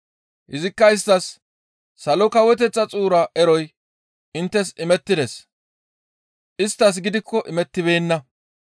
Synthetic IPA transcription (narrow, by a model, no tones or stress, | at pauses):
hɪzɪkːɐɪs̬t̪ːɐsː | ɐlɔkɐwɛt̪̬ɛt͡sːɐt͡sʼuːɾɐʔɛɾɔj | ʔɪnt̪ːɛsɪmɛt̪ːɪd̪es | ʔɪst̪ːɐs̬ɡɪd̪ɪkʰːɔʔɪmɛt̪ːɪβe̞ːnːɐ